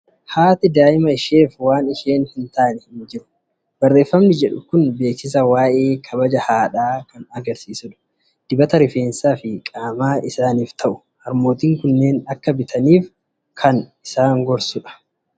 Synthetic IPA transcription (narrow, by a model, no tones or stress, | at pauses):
haːt̪ɪd̪aːʔɪmɐɪʃeːfwaːnɪʃeːnhɪnt̪aːnɛhmd͡ʒɪɾʊ̥ | b̥ɐrːe̞ːfːɐmnɪd͡ʒɛᶑʊkʊnbe̞ːksɪs̬ɐwaːʔe̞ːkʰɐbɐd͡ʒɐhaːᶑaːkɐnɐɡɐɾsiːsʊᶑʊ̥ | d̪̥ɪbɐt̪ɐɾɪfe̞ːnsaːfɪkʼaːmaːɪsaːniːft̪ʰɐʔʊ̥ | hɐɾmo̞ːt̪iːŋkʊnːe̞ːnɐkːɐbɪt̪ʰɐniːf | kʰɐnɪsaːŋɡɔɾsʊᶑɐ̥